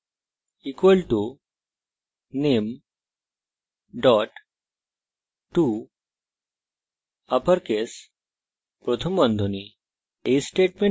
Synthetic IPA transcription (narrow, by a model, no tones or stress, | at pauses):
ikʋəlʈu | nem | ɖɔʈ | ʈːu | apəɾkes | pɾot̪ʰəmːənd̪ʱoni | esʈeʈ̚mẽ